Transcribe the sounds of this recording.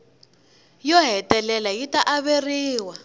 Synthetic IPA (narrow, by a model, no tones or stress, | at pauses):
jɔɦɛtɛlɛlajitaʔaβeriːwa